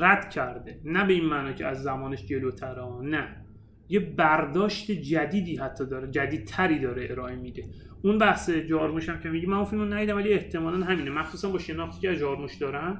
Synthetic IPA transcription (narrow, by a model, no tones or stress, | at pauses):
ɾæd̪̥cʰæɾd̪enæbe̞iːnmæːnɒːcʰeæzːæmɒːneʃd͡ʒe̞lot̪ʰæɾɒnæ | jebæɾd̪ɒːʃt̪e̞d͡ʒæd̪iːd̪iːɦæt̪ʰːɒːd̪ɒːɾed͡ʒæd̪iːd̪̥̚t̪ʰæɾiːd̪ɒːɾeeɾɒːemid̪e̞ | unbæhsed͡ʒɒːɾmuʃæmcʲʰemiɟimænũfilmonæjiːd̪æmvælieht̪ʰemɒːlænɦæmiːnemæxsuːsænbɒːʃe̞nɒːxt̪iːcʰʲeæzd͡ʒɒːɾmuʃd̪ɒːɾænd̪